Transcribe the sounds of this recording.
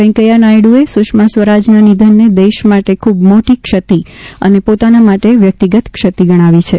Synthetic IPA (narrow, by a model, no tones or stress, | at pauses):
ə̃j̃kəjanajɽuesʊʃmasʋəɾad͡ʒnanid̪ʱənːed̪eʃmaʈekʰubmoʈikʃət̪iənepot̪anamaʈeʋjək̚t̪iɡət̪kʃət̪iɡəɽ̃aʋit͡ʃʰe